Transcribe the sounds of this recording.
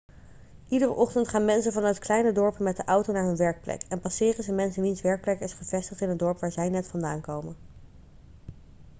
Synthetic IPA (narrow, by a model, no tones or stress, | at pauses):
ʔidərəʔɔχtəntχaːnmɛnsənvɑnœɥtklɛjnədɔɹpəmɛt̚dəʔɑwtonaːɹɦɵnʋɛɹk̚plɛ̰kɛnpɑsɪːrənzəmɛnsənʋinsʋɛɹk̚plɛkɪsχəv̥ɛstəχtɪnɦət̚dɔɹpʋaːɹzɛjnɛtfɑnda̰ːnkowmən